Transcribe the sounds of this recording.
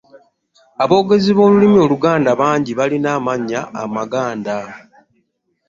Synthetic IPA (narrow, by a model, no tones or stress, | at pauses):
aβo̞ːɡe̞ziβo̞ːlulimio̞luɡaːndaβaːɲɟiβalinaːmaɲːa̰ːmaɡaːnda